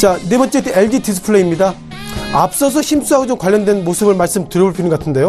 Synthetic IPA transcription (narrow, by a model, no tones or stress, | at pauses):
t͡ɕane̞bʌnt͡ɕ͈eteɭd͡ʑitʰis̬ʰɯ̥pʰɯɭːeimɲida | ap̚s͈ʌs̬ʰʌçims͈uɦaɡod͡ʑomkwaʎːjːʌndwe̞nmosʰɯbɯɭmaɭs͈ɯmtɯɾjʌbuɭpinɯnɡʌatʰɯnde̞jo